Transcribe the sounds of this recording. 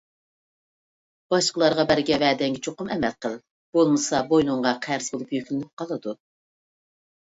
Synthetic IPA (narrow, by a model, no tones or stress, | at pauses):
b̥ɑʃqəlˠɑɾʁɑbæɾɡʲɛvɛːd̪ɛŋɡʲɛt͡ʃʰoqʊmɛmɛlqəlˠ | b̥olˠmɨsɑbojnuɴʁɑqʰæɾzbolˠupjøkʲlɪnyp̚qɑlˠɨd̪u